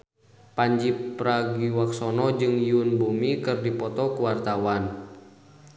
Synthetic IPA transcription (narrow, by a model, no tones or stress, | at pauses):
paɲd͡ʒipɾaɡiwaksɔnɔd͡ʒɨŋjunbumikɨrdipɔt̪ɔkuwart̪awan